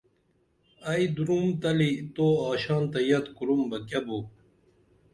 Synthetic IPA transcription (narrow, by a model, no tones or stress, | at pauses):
ɐid̪uɾumt̪ɐlit̪oːaːɕɑːnt̪ɐjɐt̪kuɾumbɐkɐbu